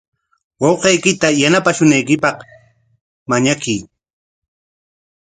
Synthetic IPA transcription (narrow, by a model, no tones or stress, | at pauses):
wɑwqejkɪt̪ajanapaʃʊnajkɪpɑq | maɲakij